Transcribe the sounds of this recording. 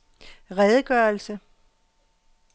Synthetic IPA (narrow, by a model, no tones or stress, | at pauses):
ʁɛðˠɡ̥ɶɐlsə